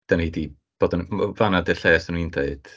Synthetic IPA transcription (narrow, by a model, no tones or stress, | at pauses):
d̥anhidi | b̥oːdɔnvanadɛɬɛːsanũindeɨd̥